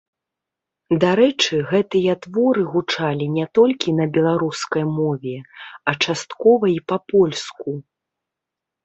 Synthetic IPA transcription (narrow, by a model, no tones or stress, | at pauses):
d̪aɾɛt͡ʂɨɣɛt̪ɨjɐt̪vɔɾɨɣut͡ʂalʲinʲɛt̪ɔlʲkʲinɐbʲɛlˠaɾuskɐjmɔvʲɛɐt͡ʂast̪kɔvɐipɐpɔlʲsku